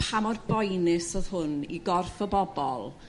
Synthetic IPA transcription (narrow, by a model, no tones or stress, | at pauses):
pʰamɔrbɔjnɪsoːð̥hʊnḭɡɔrfɔbɔbɔ̰lˠ